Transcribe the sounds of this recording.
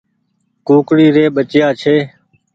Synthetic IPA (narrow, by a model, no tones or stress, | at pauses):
kuːkɽiːɾeːɓət͡ʃjaːt͡ʃʰeː